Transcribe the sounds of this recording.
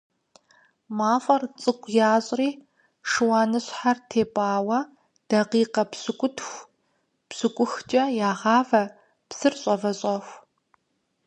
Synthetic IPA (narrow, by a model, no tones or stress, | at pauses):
maːfʼɐrt͡sʼɨkʷʼjaːɕʼriː | ʂɨwaːnɨɕħartʰeːpʼaːwɐ | d̥ɐqiːqɐpɕɨkʷʼʊtʰxʷ | psɨkʷʼʊxt͡ʃʼɐjaːʁɑːvɐ | psɨrɕʼɐvɐɕʼɐxʷ